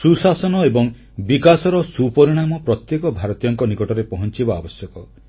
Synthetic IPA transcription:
susasɔnɔebɔŋ | bikasɔɾɔsupɔɾiɽ̃amɔpɾɔt̪jekɔbʱaɾɔt̪ijɔŋkɔnikɔʈɔɾepɔɦɔnt͡ʃibaa̰bɔsjɔkɔ

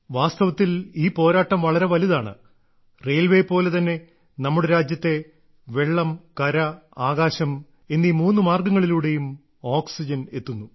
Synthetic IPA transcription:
ʋaːst̪ɐʋɐt̪ːiliːpo̞ːɾaːʈːɐmʋɐɭɐɾe̞ʋɐliðaːɳɨ̰ | rejlʋe̞jpo̞ːle̞t̪ɐnːe̞ | nɐmːuɽeɾaːd͡ʑjɐt̪ːe̞ | ʋe̞ɭːɐmkɐɾɐaːɣaːɕɐm | enːiːmuːnːumaːrɡɐŋːɐɭiluːɽe̞jum | oːksid͡ʑɐne̞t̪ːunːu

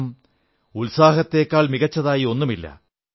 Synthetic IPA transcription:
m | ulsaːɦɐt̪ːe̞ːkːaːɭmiɣɐt͡ɕːɐðaːjio̞nːumilːɐ̰

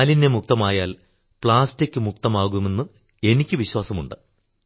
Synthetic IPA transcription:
line̞muk̚t̪ɐmaːjaːl | pɭaːstikʲːɨmuk̚t̪ɐmaːɣume̞nːɨ | e̞nikʲːɨʋiɕwaːsɐmuɳɖɨ

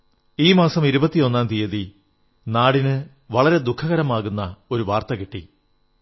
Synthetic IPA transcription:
iːmaːsɐmiɾubɐt̪ːijo̞nːaːnt̪ijɐði | naːɽinɨ | ʋɐɭɐɾe̞d̪ukʰːɐɣɐɾɐmaːɣunːɐo̞ɾuʋaːrt̪ɐkiʈːi

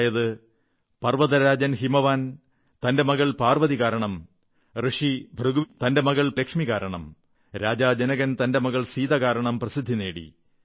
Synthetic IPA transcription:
jɐðɨ | pɐrʋɐðɐɾaːd͡ʑɐnɦimɐʋaːn | t̪ɐnde̞mɐɣɐɭpaːrʋɐðiɣaːɾɐɳɐm | rɨʂibʱrɨɡut̪ɐnde̞mɐɣɐɭplekʂmiɣaːɾɐɳɐm | ɾaːd͡ʑaːd͡ʑenɐɣɐnt̪ɐnde̞mɐɣɐɭsiːðɐɣaːɾɐɳɐmprɐsid̪ʱːine̞ːɽḭ

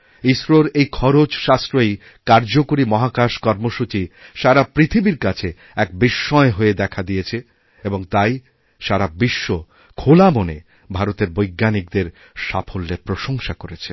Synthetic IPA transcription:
isɾoɾejkʰɔɾod͡ʑʃast̪ɾoej | kaɾd͡ʑokoɾimɔɦakaʃkɔɾmoʃut͡ɕiʃaɾapɾit̪ʰibiɾkat͡ɕʰe | ɛk̚biʃːɔeɦoed̪ɛkʰad̪ijet͡ɕʰe | eboŋt̪aj | ʃaɾabiʃːo | kʰolamone | bʱaɾot̪eɾbojɡːanik̚d̪eɾ | ʃafʰolːepɾoʃoŋʃakoɾet͡ɕʰe

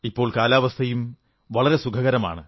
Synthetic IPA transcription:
ipːo̞ːɭkaːlaːʋɐst̪ʰɐjum | ʋɐɭɐɾe̞sukʰɐɣɐɾɐma̰ːɳɨ

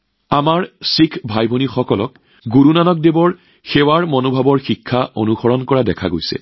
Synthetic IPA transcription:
amaɹsikʰbʱajbʱonixɔkɔlɔk | ɡuɹunanɔk̚debɔɹ | xɛwaɹmɔnobʱabɔɹxikʰːaʔonuxɔɹɔnkɔɹadɛkʰa̰ɡojsɛ̰

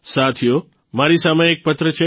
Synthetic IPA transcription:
sat̪ʰijo | maɾisameːk̚pət̪ɾət͡ʃʰe

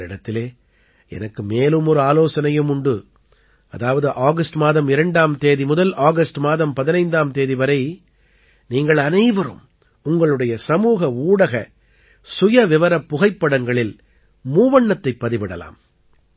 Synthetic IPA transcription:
ɪɽɐt̪ːɪleː | ɛ̰nɐkːɯmeːlɯmɔɾɯaːloːsɐnɐjɯmʊɳɖɯ | ɐðaːʋɐðɯʔaːɣɐsʈmaːðɐmɪɾɐɳɖaːmt̪eːðimʊðɐlaːɣɐsʈmaːðɐmpɐðɪnɐɪnd̪aːmt̪eːðiʋɐɾɐɪ | niːŋɡɐɭɐnɐɪʋɐɾɯ̰m | ʊŋɡɐɭɯɽɐjɐsɐmuːɣɐuːɽɐɣɐ | sʊjɐʋɪʋɐɾɐpːʊɣɐɪpːɐɽɐŋɡɐɭɪl | muːʋɐɳːɐt̪ːɐɪpːɐðɪʋɪɽɐla̰ːm

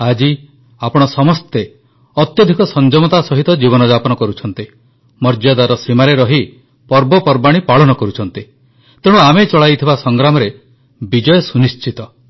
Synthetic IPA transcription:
ad͡ʒi | apɔɽ̃ɔsɔmɔst̪e | ɔt̪jɔd̪ʱikɔsɔnd͡ʒɔmɔt̪asɔɦit̪ɔd͡ʒibɔnɔd͡ʒapɔnɔkɔɾut͡ʃʰɔnt̪i | mɔɾd͡ʒad̪aɾɔsimaɾeɾɔɦi | pɔɾbɔpɔɾbaɽ̃ipaɭɔnɔkɔɾut͡ʃʰɔnt̪i | t̪eɽ̃uamet͡ʃɔɭajt̪ʰibasɔŋɡɾamɔɾe | bid͡ʒɔjɔsunist͡ʃit̪ɔ

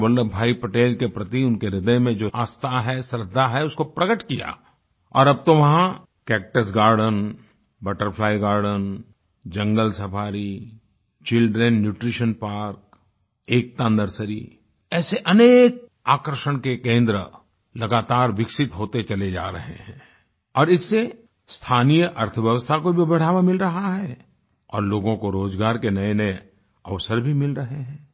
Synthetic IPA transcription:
bəlləbʱaːipəʈeːlkepɾɐt̪iʊnkeɾɪd̪əjmẽd͡ʒoːaːst̪ʰaɦɛsɾɪd̪ʱːaɦɛʊskopɾɐɡəʈkija̰ː | ɔ̰ːɾɐb̚t̪oʋɐɦã | kɛːk̚ʈəs̬ɡaːɾɖən | bəʈəɾpʰlaːiɡaːɾɖən | d͡ʒɐ̃ŋɡəlsɐpʰaːɾi | t͡ʃɪlɖɾənːjuːʈɾiʃənpaːɾk̚ | eːk̚t̪ãːnd̪əɾsəɾi | ɛːseʔɐneːk̚aːkəɾʃəɽ̃kekẽːnd̪ɾə | lɐɡaːt̪aːɾʋɪkʃɪt̪ɦoːt̪et͡ʃɐled͡ʒa̰ːɾɐɦḛɦɛ̃ː | ɔːɾɪsːe | st̪ʰaːnijəʔɐɾt̪ʰəʋjəʋəst̪ʰakobʱibɐɽ̤aːʋamɪlɾɐɦaɦɛː | ɔ̰ːɾloːɡõkoɾoːd͡ʒɡaːɾkenɐenɐe | ɐʋsəɾbʱimɪlɾɐɦeɦɛ̃ː

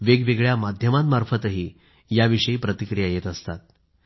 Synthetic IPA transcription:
ʋeɡʋeɡɭjamad̪ʱjəmat̪maɾfət̪əɦiː | jaʋiʂəiːpɾət̪ikɾijajet̪əst̪at̪̚

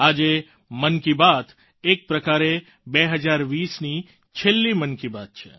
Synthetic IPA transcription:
ad͡ʒe | mənkibat̪ | ek̚pɾəkaɾe | beɦəd͡ʒaɾʋisni | t͡ʃʰelːimənkibat̪̚t͡ʃʰḛ

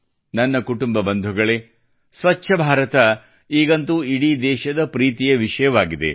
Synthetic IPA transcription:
nɐnːɐkuʈumbɐbɐnd̪ʱuɡɐɭe | sʋɐt͡ʃːʃʰɐbʱaːɾɐt̪ɐ | iːɡɐnt̪uiɽid̪ɛːʃɐd̪ɐpɾiːt̪ijɐʋiʂɐjɐʋaːɡid̪e̞̰

